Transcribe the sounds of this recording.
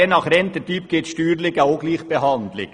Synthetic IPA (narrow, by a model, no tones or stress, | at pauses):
enɑːχɾɛnt̪ətyːpɡ̥ɪt̪ʃtyːɾlɪɡaoɡliːχb̥ehɑnd̪lɪ̰ɡ̥